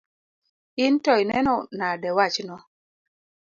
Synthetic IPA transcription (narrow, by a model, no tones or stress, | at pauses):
ɪntɔinɛnɔnadɛwat͡ʃnɔ